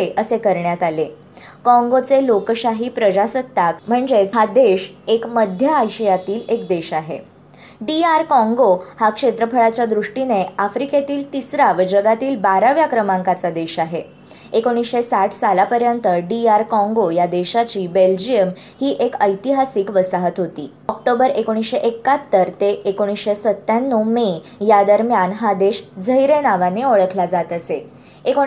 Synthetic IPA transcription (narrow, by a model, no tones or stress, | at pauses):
eʔəsekəɾɳjat̪ale | kɔ̃ŋɡot͡selokɕaɦiːpɾəd͡ʑasət̪ːakm̤əɳd͡ʑet͡sad̪eɕekməd̪ʱjəajɕəjat̪iːlekd̪eɕaɦḛ | ɖiaɾkɔ̃ŋɡohakʂet̪ɾəpʰəɭat͡ɕjad̪ɾuʂʈineafɾiket̪iːlt̪isɾaʋd͡ʑəɡat̪iːlbaɾaʋjakɾəmãŋkat͡sad̪eɕaɦe | ekoɽ̃isɕesaʈʰsalapəɾjənt̪əɖiaɾkɔ̃ŋɡojad̪eɕat͡ɕiːbeld͡ʑijəm | hiːʔekəjt̪iɦasiːkʋəsaɦət̪ɦot̪ḭː | ɔk̚ʈobəɾekoɽ̃isɕeʔekːat̪ːəɾt̪eʔekoɽ̃isɕesət̪ːjanːome | jad̪əɾmjanɦad̪eɕd͡zʱəjɾenaʋaneoɭəkʰlad͡zat̪əse | ek